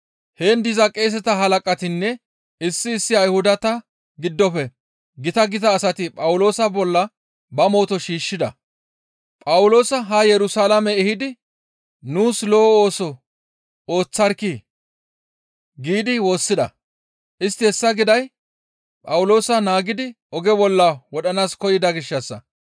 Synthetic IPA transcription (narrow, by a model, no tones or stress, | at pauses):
heːnd̪ɪzɐkʼːeːs̬ɛt̪ɐɦɐlɐkʼɐt̪ɪnːɛ | ɪsːɪːsːɪɐjhʊd̪ɐt̪ɐ | ɡɪd̪ːɔpɛ | ɡɪt̪ɐɡɪt̪ɐːsɐt̪ɪpʼɐwʊlo̞ːsɐbɔlːɐ | bɐmo̞ːt̪ɔʃiːʃːɪd̪ɐ̰ | pʼɐwʊlo̞ːsɐɦɐjɛɾʊsalɐmɛɛhɪd̪ɪ | nuːslo̞ːo̞ːsɔ | oːt͡sːɐɾki | ɡiːd̪ɪwo̞ːsːɪd̪ɐ̰ | ʔɪst̪ːɪhɛsːɐɡɪd̪ɐj | pʼɐwʊlo̞ːsɐnaːɡɪd̪ɪ | ɔɡɛbɔlːɐwɔɗɐnaːskɔjɪd̪ɐɡɪʃːɐsːɐ